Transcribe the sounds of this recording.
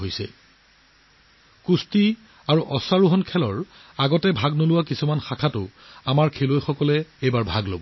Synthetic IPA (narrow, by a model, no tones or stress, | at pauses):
ojsɛ̰ | kusti | aɹuʔɔsaɹuɦɔnkʰɛlɔɹaɡɔtɛbʱaɡnolʊwakisumanxakʰatʊamaɹkʰelojxɔkɔlɛejbaɹbʱaɡlobɔ